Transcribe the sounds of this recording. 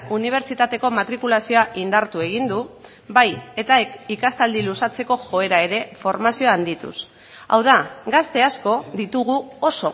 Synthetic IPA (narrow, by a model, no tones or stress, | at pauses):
uniβ̞e̞ɾt͡ʃit̪at̪e̞ko̞mat̪ɾikulasio̞aʔind̪aɾt̪ue̞ɣ̞ind̪u | baje̞t̪aekikast̪ald̪ilusat͡se̞ko̞ʝo̞e̞ɾae̞ɾe̞fo̞ɾmasioaːnd̪it̪ṵs | a̰wðaɡast̪e̞asko̞ðit̪uɣ̞uo̞so̞